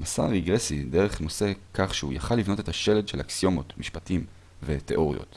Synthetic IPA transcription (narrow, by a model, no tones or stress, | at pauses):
masa̰ʁiɡʁeside̞ʁeχno̞se̞kaχʃeujaχalːivno̞te̞taʃe̞le̞dʃelaksio̞mo̞tmiʃpatim | vete̞ʔo̞ʁḭjo̰t